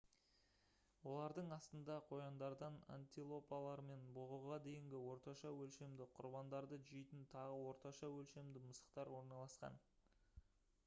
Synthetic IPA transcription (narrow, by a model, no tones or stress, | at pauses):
wo̞lˠɑɾd̪əɴɑst̪ənd̪ɑqʰo̞jɑnd̪ɑɾd̪ɑna̰nʲt̪ʲilˠo̞pɑlˠɑɾme̞nbʊʁuʁɑd̪e̞jɪŋɡʲɪwo̞ɾt̪ɑʃɑwɵlʃe̞md̪ɪqʰʊɾbɑnd̪ɑɾd̪əʒɪjt̪ɪnt̪ʰɑʁəwo̞ɾt̪ɑʃɑwɵlʃe̞md̪ɪməsə̥qt̪ɑɾwo̞ɾnɑlˠɑsqɑ̰n